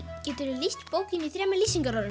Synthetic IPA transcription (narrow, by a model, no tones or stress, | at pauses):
cɛːt̪ʏɾɪliht̪poːwcɪniθɾɛːmɛlisiŋkaɾɔðʏ